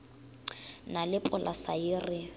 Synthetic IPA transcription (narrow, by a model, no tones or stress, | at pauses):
nalɪpʼʊlʔasaɪrɪ